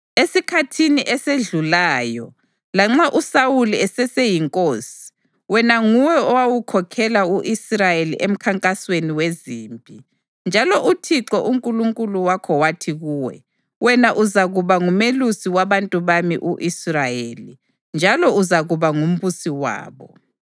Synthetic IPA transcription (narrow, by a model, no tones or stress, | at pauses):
esikʰatʰiniʔɛseɮulaːjɔ̰ | laŋ͡ǁaʔusawuliɛsɛsejiŋkʼoːsi̥ | wɛnaŋuwɛɔwawukʰɔkʰɛlauʔisrajelḭʔem̩kʰaŋkʼasweniweziːmbʼʱi | nd͡ʒʱalɔʔutʰiǁɔʔuŋkʼuluŋkʼuluwakʰɔwatʰiɣuːwɛ̰ | wɛnaʔuzaɣuβaŋumelusiwaβantʼuβamḭʔuʔisrajeːli | nd͡ʒʱalɔuzaɣuβaŋum̩βusiwa̰ːβɔ